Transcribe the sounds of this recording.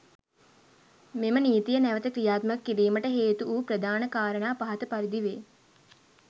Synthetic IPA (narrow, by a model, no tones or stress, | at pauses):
meməniːt̪ijənæʋət̪əkɾijaːt̪mɐkːiɾiːməʈəɦeːt̪uuːpɾəd̪aːnəkaːɾənaːpaɦɐt̪əpaɾid̪iʋeː